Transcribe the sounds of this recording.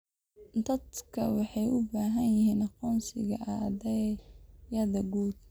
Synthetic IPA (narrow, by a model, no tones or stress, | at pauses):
d̪ɐd̪kʰɐ̰wɑħɑjʔʊbaːɦɐnjɪɦiːnɑqɔːnsɪ̰ɣɐ̰ʔad̪ɛjjɐðɐɡuːd̪̚